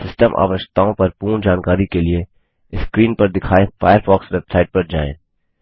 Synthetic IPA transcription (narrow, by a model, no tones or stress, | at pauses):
sɪsʈəmʔa̰ːʋəʃt̪aːõpɐɾpuːɾɳd͡ʒaːnkaːɾikelie | skɾiːnpɐɾd̪ɪkʰaːefaːjəɾfaːksʋɛbsaːɪʈ̚pɐɾd͡ʒa̰ːḛ̃ː